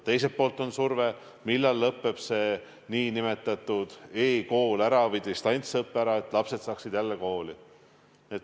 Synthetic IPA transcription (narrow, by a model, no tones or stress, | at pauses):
t̪e̞jsepoːlt̪ˑo̞nsurve | milːɑlːɤpːe̞b̥se̞ | niːnime̞t̪ːˑɑt̪ːˑud̪̥eːko̞ːlæɾɑvid̪̥ʲist̪ɑjnt̪sɤpːæɾɑe̞t̪ːˑlɑpse̞d̪sɑːksid̪̥jælːeko̞ːli | et̪